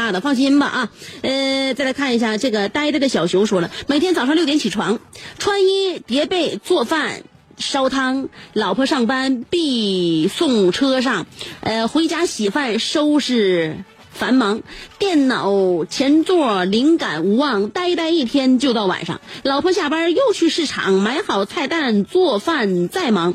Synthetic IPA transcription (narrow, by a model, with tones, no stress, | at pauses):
a˥˩d̪ə˩fɑ˥˩ŋɕi˥nbɐ̰˧ʔɐ˧ə˥˧t͡sa˥˩ɪla˥kʰa˥˩ni˧˥ɕja˥˩ʈ͡ʂɤ˥˩ɡə˩t̪a˥˧ɪ˥t̪a˥˩ɪd̪ə˩ɕjɑ˨˩ʊɕjʊ˧˥ʊʂwɔ˥lə˧˩me˨˩ɪt̪ʰjɛ˥nt͡sɑ˨˩ʂɑ˥˧ljo˥˩jt͡ɕʰi˨˩ʈ͡ʂʰwa˧˥ŋʈ͡ʂʰwa˥ni˥t̪jɛ˧˥pe˥˩ɪt͡swɔ˥˧˩fa˥˩n | ʂɑ˥ʊt̪ʰɑ˥ŋlɑ˨˩ʊpʰɤ˥ʂɑ˥˩ŋpa˥npi˥˧sʊ˥˩ŋʈ͡ʂʰɤ˥ʂɑ˥˩ŋə˧xwe˧˥ɪt͡ɕja˧˥ɕi˨˩fa˥˩nʂo˥ʊʂɻ̩˥˩ | fa˧˥nmɑ˧˥ŋt̪jɛ˥˩nnɑ˨˩ʊt͡ɕʰjɛ˧˥nt͡swɔ˥˩li˧˥ŋka̰˨˩nu˧˥wɑ˥˩ŋt̪a˥˧ɪi˥t̪a˥˧ɪi˥˩t̪ʰjɛ˥nt͡ɕjo˥˧ʊt̪ɑ˥˩ʊwa̰˨˩nʂɑ̰˥˩ŋlɑ˨˩ʊpʰɤ˥ɕ̬ja˥˩pə˥jo˥˧ʊt͡ɕʰy˥˧ʂɻ̩˥˩ʈ͡ʂʰɑ̰˨˩˦ŋma˧˥ɪxɑ˨˩ʊt͡sʰa˥˧ɪt̪a˥˧nt͡swɔ˥˧fa˥˧nt͡sa˥˩ɪmɑ˧˥ŋ